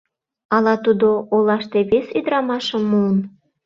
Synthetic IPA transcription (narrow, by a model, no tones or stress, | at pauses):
ɑlɑt̪ud̪oolɑʃt̪eβesyd̪ɾɑmɑʃəmːun